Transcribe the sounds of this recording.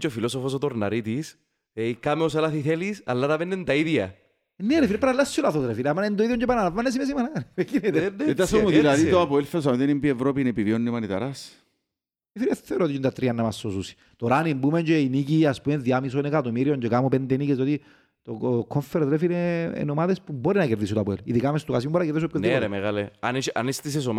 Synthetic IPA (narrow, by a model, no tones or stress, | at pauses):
t͡ʃofilosofos̬ot̪oɾna̰ɾit̪is | eikameos̬alaθiθelisa̰lːat̪apenːend̪aiðia | nːeɾefiɾepaɾalːasːolaθot̪ɾefilamanend̪oiðjɔɲɟepananavːanːes̬imes̬imananekinet̪et̪asomuðilaðit̪oapoelfes̬amot̪enimbievɾopinepivionːimanit̪a̰ɾas | efiɾeθθeɾot̪iint̪at̪ɾiɐnːɐmasːosusi̥ | t̪oɾanimbumeɲɟeiniciaspumeðjamisonekat̪omiɾioɲɟekamupend̪enicest̪iot̪i | t̪okʰoɱfeɾot̪ɾefilḛːnomaðespuboɾinɐkeɾðisut̪oapoelḭðikamest̪ukas̬imimboɾnakeɾðis̬opkoɾmeɣaleaniʃanist̪is̬esom